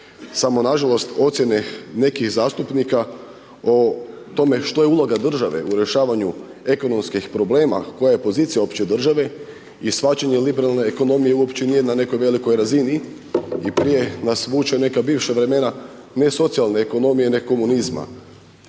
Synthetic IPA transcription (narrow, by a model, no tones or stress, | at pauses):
samo̞naʒalo̞st̪o̞t̪sje̞nene̞kixzaːst̪upnika | ot̪o̞me̞ʃt̪o̞jeulˠoɡad̪r̩ʒaʋe̞̰uɾe̞ʃaːʋaɲu | e̞ko̞no̞mskixpɾo̞ble̞ːma̰ko̞jaje̞po̞ziːt̪ijaopt͡ɕed̪r̩ʒaʋe̞ | isfat͡ɕaɲe̞libeɾalˠne̞ːko̞no̞mije̞uo̞pt͡ʃenije̞nane̞ko̞jʋe̞liko̞jɾazini | ipɾije̞nasʋuːt͡ʃane̞kabiːʋʃaʋɾe̞me̞na | ne̞so̞t̪sialˠne̞ːko̞no̞mije̞nekko̞munizma̰